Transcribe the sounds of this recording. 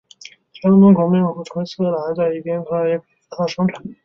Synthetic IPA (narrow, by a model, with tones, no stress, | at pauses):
t͡ɕʰɛ˥˩mə˧˥nkʊ˧˥mɛ˥˩nxu˧˥t̪ʰwe˥ɪs̩ʰ˥˩˧la˧˥ɪt͡sa˥˩ɪi˥˩pjɛ˥nk̪ʰa˥˧jɛ˧˥˩pe˨˩˥t̪ʰɑ˥˩ʂɤ˥ŋʈ͡ʂʰa˨˩˦n˥˩